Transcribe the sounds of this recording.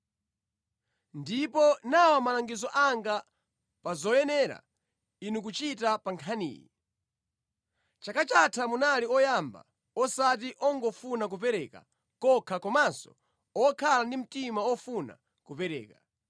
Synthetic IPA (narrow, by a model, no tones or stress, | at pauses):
ndipɔnawamalaŋɡizɔʔaŋɡa | pazɔjɛnɛɾa̰ | inuk̬ut͡ʃitapaŋkʰanḭːjḭ | t͡ʃakat͡ʃatʰamunaliɔjamba̰ | ɔsat̬iʔɔŋɡɔfunak̬up̬ɛɾɛːka̰ | kɔkʰakɔmansɔ̰ | ɔkʰalandim̩timawɔfuna̰ | kupɛɾɛ̰ːka